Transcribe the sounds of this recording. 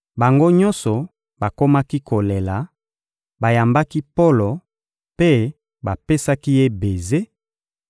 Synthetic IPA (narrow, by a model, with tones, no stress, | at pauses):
ba˨ŋɡo˦ɲɔ̃˦sɔ˨ | ba˨ko˦ma˦ki˦ko˨le˨la˨ | ba˨ja˨mba˦ki˦po˦lo˨ | pe˦ | ba˨pe˦sa˦ki˦je˦be˨ze˦